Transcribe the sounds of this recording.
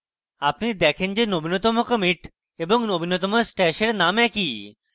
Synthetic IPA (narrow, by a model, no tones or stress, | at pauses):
apnid̪ɛkʰend͡ʑenobʱinot̪omokəmiʈ | eboŋnobʱinot̪omosʈɛʃeɾnamɛki